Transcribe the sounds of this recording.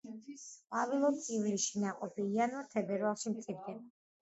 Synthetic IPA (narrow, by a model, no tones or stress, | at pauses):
qʼavilˠɔt̪sʼivliʃinaqʼɔpʰiːanwat̪ʰɛbɛɾvalˠʃimt̪sʼiɾd̪ɛba